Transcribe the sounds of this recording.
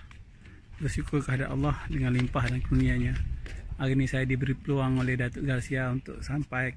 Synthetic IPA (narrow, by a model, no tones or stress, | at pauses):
risikʰukəɦadapa̰lːɔhdəŋanlimpahdankədunĩaɲaaɣinisajadibəɾipəluaŋolɛhdat̪uɡarsiaunt̪ʊ̰k̚sampaj